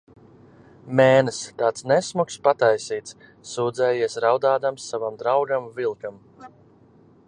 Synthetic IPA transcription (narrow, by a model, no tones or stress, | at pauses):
mɛːnɨst̪aːt̪snɛsmukspat̪ajsiːt̪sː | uːd̪zɛːjiɛsɾawd̪aːd̪amsːavamd̪ɾawɡamvilˠkam